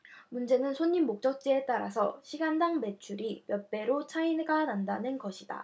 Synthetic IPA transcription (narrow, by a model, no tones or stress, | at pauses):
mund͡ʑe̞nɯnsʰoɲːimːok̚t͡ɕ͈ʌk̚t͡ɕ͈ie̞t͈aɾa̰sʰʌɕʰiɡandaŋme̞t͡ɕʰuɾimjʌp͈e̞ɾot͡ɕʰainɡanandanɯnɡʌɕʰid̥a̰